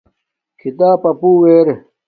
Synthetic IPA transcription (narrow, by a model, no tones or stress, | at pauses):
kʰid̪aːpɐpuːweːɾe